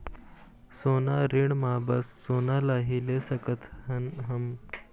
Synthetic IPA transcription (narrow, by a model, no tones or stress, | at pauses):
sonaɾiɳmabəsːonalaɦilesəkət̪hənɦəm